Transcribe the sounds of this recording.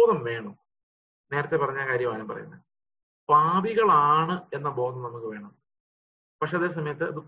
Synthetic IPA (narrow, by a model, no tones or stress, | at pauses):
ðɐmʋe̞ːɳɐm | ne̞ːɾɐt̪ːe̞pɐrɐɲːaːkaːɾjɐmaːjampɐrɐ̰junːɐ | paːðiɣɐɭaːɳɨe̞nːɐbo̞ːd̪ɐmnɐmukːɨʋe̞ːɳɐm | pɐkʂe̞ːɐðe̞ːs̬ɐmɐjɐt̪ːɨɐðɨ